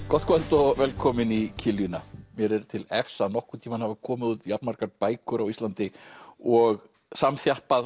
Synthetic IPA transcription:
kɔht̪̚kʰɔlt̪ɔvɛlkʰɔmɪnicʰɪljʏnamjɛɾɛɾ̥t̪ʰɪlɛfsanɔhkʏ̥t̪ʰiːmanhavakʰɔːmɪðuːt̪japnmaɾ̥kaɾpaːjkʏɾawist̪lant̪ɪɔɣ | samθjahpað

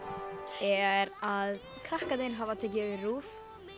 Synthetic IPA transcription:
ɛɾað | kʰɾahkat̪ɪnɦavat̪ʰɛːc̬ɪœvɪruːf

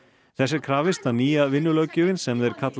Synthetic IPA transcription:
θɛsːɪɾkʰɾaːvɪst̪aðniːjavɪnːʏlœːcʏːvɪnsɛmðɛɾ̥kʰat̪l

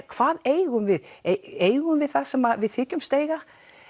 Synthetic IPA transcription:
kʰv̥aːðeːjɣʏmvɪðeeːjɣʏmvɪðθasɛmaðvɪðθɪːcʏmst̪eːjɣa

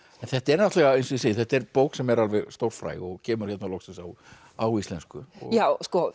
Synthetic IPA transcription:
ɛnθɛht̪ɛɾnat̪lɛɣaejnsiseːjɪθɛht̪ɛɾpoːwksɛmɛɾalvɛɣst̪owɾfɾa̰jɔɣcʰɛːmʏɾ̥çɛt̪nalɔxsɪnsaw | awist̪lɛnskʏɔ̰ɣjawskɔ

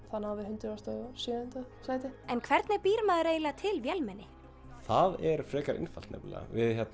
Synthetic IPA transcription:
θanawvɪhʏnt̪ɾɪast̪ɔsiʏnt̪asajt̪ɪɛnkʰvɛɾt̪nɛɾpiːɾmaːðʏɾeːjlat̪ʰɪlvjɛlmɛnːɪ | θaðɛɾfɾɛːkaɾʔɪ̰nfal̥t̪nɛ̰pla̰vɪðçɛt̪n

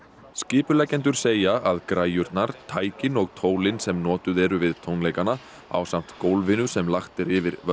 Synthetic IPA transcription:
scɪːpʏlɛcːɛnt̪̬ʏɾ̥seːjaʔaðkɾaːjʏɾt̪naɾ̥t̪ʰaːjcɪnɔɣt̪ʰoːwlɪnsɛmnɔːt̪ʏðɛɾʏvɪðt̪ʰownlejkana | a̰wsam̥t̪kowlvɪnʏsɛmlaxt̪ɪɾɪvɪɾvœ

